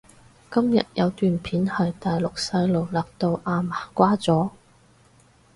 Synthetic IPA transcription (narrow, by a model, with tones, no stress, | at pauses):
kɐ˥mjɐ̰˨t̚jɐ˨˧wt̪yː˨npʰiː˨˥nhɐ˨jt̪aː˨jlʊ˨k̚sɐ˧jlo˨wlaː˨˩k̚t̪o˧wʔaː˧maː˨˩kʷaː˥t͡sɔː˨˥